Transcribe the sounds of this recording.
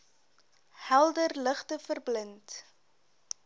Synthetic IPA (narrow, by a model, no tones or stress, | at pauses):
hælˠdərləχtəfərblənt